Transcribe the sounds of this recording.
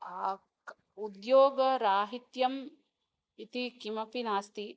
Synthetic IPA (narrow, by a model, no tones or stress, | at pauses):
aː | ud̪joːɡɐɾaːɦit̪jɐm | it̪ikimɐpinaːst̪i